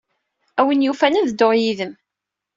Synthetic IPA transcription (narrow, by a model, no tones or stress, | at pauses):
æwinjufænæðd̪ːoʁjiðəm